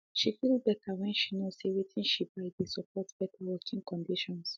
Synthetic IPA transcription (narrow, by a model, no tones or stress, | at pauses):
ʃifilbɛtʰawɛ̃nʃinosewitʰĩnʃib̥aɪdesɔpʰɔtb̥ɛtʰawɔkʰĩŋkɔ̃ndiʃɔ̃ns